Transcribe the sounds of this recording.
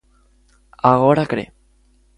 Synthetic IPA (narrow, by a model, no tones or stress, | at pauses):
aɣoɾakɾḛ